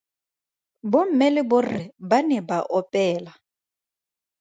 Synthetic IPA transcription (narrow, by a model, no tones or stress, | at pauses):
bʊm̩mɛlɛbʊrɪbanɛbaʔɔpʼɛːla